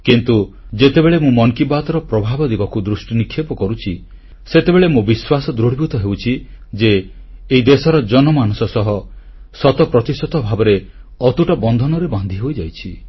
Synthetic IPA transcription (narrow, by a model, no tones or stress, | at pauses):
kint̪u | d͡ʒet̪ebeɭemũmɔŋkibat̪ɔɾɔpɾɔbʱabɔd̪ibɔkud̪ɾusʈinikʰːjepɔkɔɾut͡ʃʰi | set̪ebeɭemũbiswasɔd̪ɾoɽ̤ibut̪ɔɦewt͡ʃʰi | d͡ʒeː | id̪esɔɾɔd͡ʒɔnɔmanusɔsɔɦɔ | sɔt̪ɔpɾɔt̪isɔt̪ɔbʱabɔɾe | ɔt̪uʈɔbɔnd̪ʱɔnɔɾeband̪ʱiɦojd͡ʒajt͡ʃʰi